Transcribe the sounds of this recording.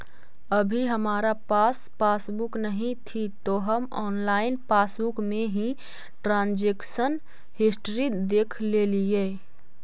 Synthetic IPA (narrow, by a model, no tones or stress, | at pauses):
əbʱiɦəmaːɾapaːs | paːsbuknəɦĩt̪ʰit̪oɦəmɔːnlaːɪnpaːsbukmẽɦĩ | ʈɾãːnd͡ʒeːksən | hɪsʈɾid̪eːkʰleːlie